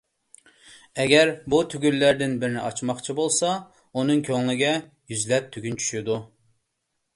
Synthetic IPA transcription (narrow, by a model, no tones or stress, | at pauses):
ɛɡʲɛɾbut̪ʰyɡʲylːæɾd̪ɪnbɪɾɪnɪɑt͡ʃʰmɑχt͡ʃʰibolˠsɑ | unɨŋkʲʰøŋlɪɡʲɛ | jyzlɛp̚t̪ʰyɡʲynt͡ʃʰy̥ʃɪd̪u